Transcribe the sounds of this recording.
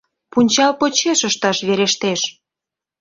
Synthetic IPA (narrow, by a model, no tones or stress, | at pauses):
punʲt͡ɕɑlpot͡ɕeʃəʃt̪ɑʃβeɾeʃt̪eʃ